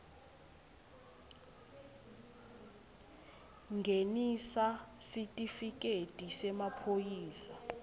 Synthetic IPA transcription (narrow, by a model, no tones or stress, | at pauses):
ŋɡʱenisasitʼifikʼetʼisɛmapʰojiːsa